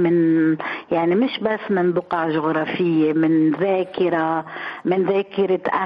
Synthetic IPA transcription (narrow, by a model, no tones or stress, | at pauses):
mɪnjaʕnimɪʃbasːmɪnbʊqɑʕʒʊɣɾˤɑːfɪjːemɪnðaːkɪɾamɪnðaːkɪɾɪt̪ʔa